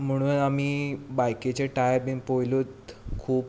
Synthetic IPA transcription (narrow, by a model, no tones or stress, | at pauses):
m̤əɽ̃uːnamiːbajket͡ɕeʈajɾmiŋpojlut̪kʰuːp